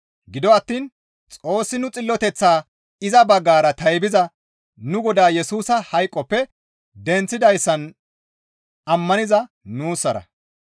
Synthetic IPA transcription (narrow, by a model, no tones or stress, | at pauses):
ɡɪd̪ɔɐt̪ːiːn | t͡sʼo̞ːsːɪnʊt͡sʼɪlːɔt̪ɛt͡sːaː | ɪzɐbɐɡːaːɾɐt̪ɐjbɪzɐ | nʊɡɔd̪aːjɛsuːsɐhɐjkʼːɔpːɛ | d̪ɛnt͡sːɪd̪ɐjsːɐn | ɐmːɐnɪzɐ | nuːsːɐɾɐ̰